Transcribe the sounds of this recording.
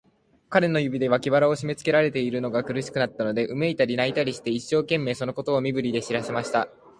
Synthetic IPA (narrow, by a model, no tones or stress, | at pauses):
kaɾe̞no̞jɯ̟bʲid̪e̞βakʲibaɾao̞ɕime̞t͡sɨ̥ke̞ɾaɾe̞t̪e̞iɾɯ̟no̞ɡakɯ̟ɾɯ̟ɕi̥kɯ̟nat̪ːano̞d̪e̞ʔɯ̟me̞it̪aɾʲinait̪aɾʲiɕi̥t̪e̞iɕːo̞ːkẽ̞mːe̞ːso̞no̞ko̞t̪o̞ːmʲibɯ̟ɾʲid̪e̞ɕiɾase̞maɕi̥t̪a